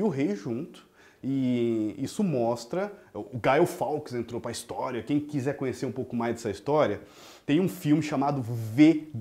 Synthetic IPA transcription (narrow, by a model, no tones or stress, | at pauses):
ʊɦejʒũnt̪ʊ̥ | ɪisʊmɔst̪ɾɐʊːɡaɛwfawkzẽnt̪ɾopɾɐist̪ɔɾjiɐkẽj̃kizɛkõɲeseɾũpowkʊmajzd̪ɛsɐist̪ɔɾiɐ | t̪ẽj̃ũfiwmɪʃamad̪ʊve